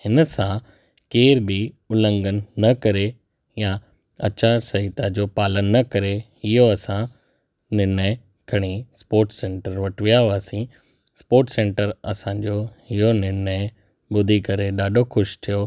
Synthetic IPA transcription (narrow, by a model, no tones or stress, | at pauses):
hɪnəsã | keːɾbʱi | ʊlə̃ŋɡənːɐkɐɾe | ja | ɐ̰t͡ɕaːɾsɐɦit̪ad͡ʑoːpaːlənːɐkɐɾe | ɪɦoɐsã | nɪɾnə | kʰɐɽ̃ispoːɾʈsẽːɳʈəɾʋɐʈʋijaʋaːsĩ | spoːɾʈsẽːɳʈəɾɐ̰sãːd͡ʑoːhijonɪɾnə | ɓʊd̪ʱikɐɾeɗaːɗʱoxʊʃt̪ʰijo